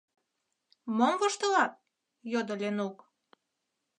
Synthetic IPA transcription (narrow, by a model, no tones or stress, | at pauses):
momvɤʃt̪ɤ̆lɑt̪̚ | jod̪ə̆lʲenuk